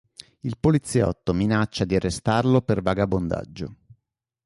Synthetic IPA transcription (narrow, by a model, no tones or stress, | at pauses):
ilpolit̪sːjɔ̰t̪ːominat͡ʃːad̪iarːest̪arlopervaɡabond̪a̰d͡ʒːo